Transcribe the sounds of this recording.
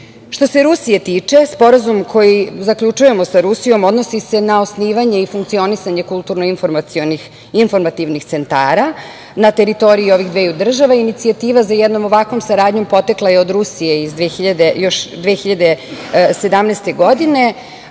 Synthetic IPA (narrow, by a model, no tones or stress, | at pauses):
ʃt̪o̞se̞ɾusije̞t̪iːt͡ʂe̞spo̞ɾazumkʰo̞jizakʎut͡ʂuje̞mo̞saɾusijo̞mo̞d̪no̞sise̞naosniːʋaɲe̞ifuŋkt̪sio̞nisaɲe̞kulˠt̪uɾnoinfoɾmaioni | info̞ɾmat̪iʋnixt̪se̞nt̪a̰ːɾa | nat̪e̞ɾit̪o̞ɾiio̞ʋiɣd̪ʋeːjud̪r̩ʒaʋainit̪siat̪iːʋazajɛd̪no̞mo̞ʋakʋo̞msaɾaːd̪ɲo̞mpo̞t̪eklˠaje̞o̞d̪ɾusije̞izd̪ʋexiʎad̪ejo̞ʃd̪ʋexiʎad̪ese̞d̪amneːst̪e̞ɡo̞d̪ine̞